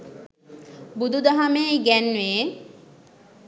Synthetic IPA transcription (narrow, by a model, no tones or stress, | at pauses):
bud̪ud̪aɦameːɡɛnʋeː